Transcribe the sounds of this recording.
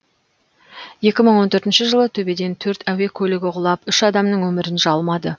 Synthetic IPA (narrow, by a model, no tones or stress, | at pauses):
je̞kʲɪməɴwo̞nt̪ʰɵɾt̪ɪnʃɪʒəlˠət̪ʰɵbe̞d̪e̞nt̪ʰɵɾt̪ʰæwe̞kʲʰɵlɪɡʲɪʁʊlˠɑpʏʃɑd̪ɑmnəɴwɵmɪɾɪnʒɑlˠmɑd̪ə